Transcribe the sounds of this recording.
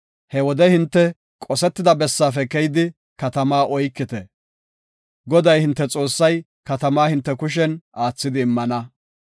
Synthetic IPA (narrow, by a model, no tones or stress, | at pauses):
hɛwɔd̪ɛhɪnt̪ːɛ | kʼɔsɛt̪ːɪd̪ɐbɛsːaːfɛkɛjd̪ɪ | kɐt̪ɐmaːʔɔjkːɪt̪ɛ | ɡɔd̪ɐjhɪnt̪ːɛt͡sʼo̞ːsːɐj | kɐt̪ɐmaːhɪnt̪ːɛkʊʃ̬ɛnʔaːt͡sːɪd̪ɪːmːɐnɐ